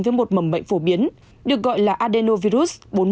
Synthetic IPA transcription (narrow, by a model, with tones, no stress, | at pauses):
vəː˨˦jmo˨˩t̚mə˨˧˩mɓə̰˧˨jŋ̟fo˧˩ɓi˨˦ən | ɗɨ˨˩ək̚ɣɔ̰˧˨jlaː˨˩ʔaː˧ɗe˧no˧vi˧ɾu˦˥s̚ɓo˨˦n